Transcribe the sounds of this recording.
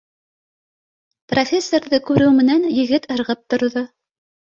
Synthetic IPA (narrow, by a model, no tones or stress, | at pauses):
profʲe̞sːorðɤkʉɾɘwmɘ̆nænjɘ̆ɡɘt̪ɤ̆ɾʁɤp̚t̪ŏɾðo